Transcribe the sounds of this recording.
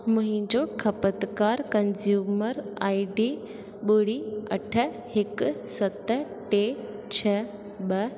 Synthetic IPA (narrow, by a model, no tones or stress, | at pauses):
mɐ̃ɦɪ̃ɲd͡ʑokʰɐpət̪kaːɾkɐnzjuːməɾaːiɖi | ɓʊɽiɐ̰ʈʰə̆ | hɪksɐt̪ | ʈet͡ɕʰɐ | ɓɐ